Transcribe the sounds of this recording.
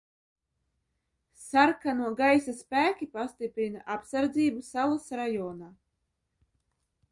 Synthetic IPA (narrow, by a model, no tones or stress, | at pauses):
saɾkanuɔɡajsaspæːkʲipast̪ipɾina̰ʔapsaɾd̪ziːbusalˠasɾajɔːnaː